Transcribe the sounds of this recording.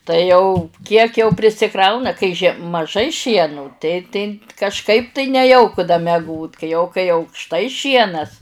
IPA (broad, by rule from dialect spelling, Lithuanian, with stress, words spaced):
tɐɪ jɛʊ ˈkʲiɛk jɛʊ pʲrʲɪsʲɪˈkrɐʊnɐ kɐɪ ʒʲiɛ mɐˈʒɐɪ ˈʃʲiɛnʊ tɐɪ tɐɪ kɐʃˈkɐɪp tɐɪ nʲɛˈjɛʊkʊ dɐ mʲɛˈɡoːt kɐɪ jɛʊ kɐɪ ɐʊkʃˈtɐɪ ˈʃʲiɛnɐs